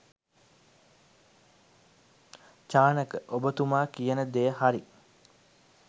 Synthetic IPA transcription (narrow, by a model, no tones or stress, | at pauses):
t͡ʃaːnəkəʔobət̪umaːkijənəd̪eːəɦaɾi